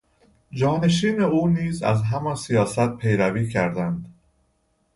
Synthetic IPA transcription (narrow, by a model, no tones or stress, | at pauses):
d͡ʒɒːne̞ʃ̬iːne̞uːniːzæ̰zɦæmɒnsijɒːsæt̪̚pʰe̞jɾæviːcʰæɾd̪ænd̪